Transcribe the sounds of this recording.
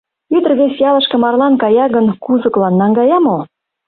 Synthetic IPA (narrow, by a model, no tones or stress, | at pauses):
yd̪ə̆rβesjɑlɤ̆ʃkɤ̆mɑrlɑnkɑjɑɣənkuzɤ̆klɑnːɑŋɡɑjɑmo